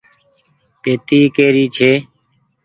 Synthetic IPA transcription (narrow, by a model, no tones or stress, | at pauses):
peːt̪iːkeːɾiːt͡ʃʰeː